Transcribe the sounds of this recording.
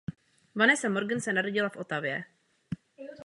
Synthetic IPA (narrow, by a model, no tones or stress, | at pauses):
vanɛsamo̞ɾɡənsɛnaɾoɟɪlafʔo̞t̪avjɛ